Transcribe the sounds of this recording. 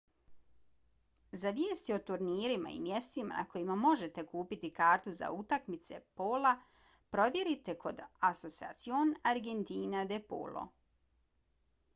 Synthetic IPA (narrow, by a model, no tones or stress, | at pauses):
zaʋjeːst̪io̞t̪uɾniːɾima̰ḭmje̞st̪ima̰na̰ko̞jimamo̞ʒe̞t̪e̞kuːpit̪ikaːɾt̪uza̰ut̪akmit̪se̞̰poːla | pɾo̞ʋje̞ɾit̪e̞ko̞d̪aso̞sia̰t̪sionaɾɡe̞nt̪iːnad̪epo̰ːlo̰